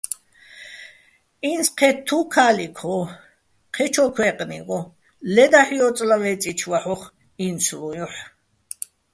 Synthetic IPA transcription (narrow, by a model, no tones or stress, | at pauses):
insqʰɛt̪ʰːukʰaːlikʰɔ | qʰɛt͡ʃʰɔkʰwɛːqʼnḭʁɔ | lɛd̪aħijɔt͡sʼlavɛt͡sʼit͡ʃʰwaħɔχ | int͡sʰlujɔħ